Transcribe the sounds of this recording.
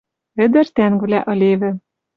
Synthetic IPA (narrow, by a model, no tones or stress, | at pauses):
ɘ̆d̪ɘ̆rt̪æŋvlæʔɤ̆lʲeβɘ̆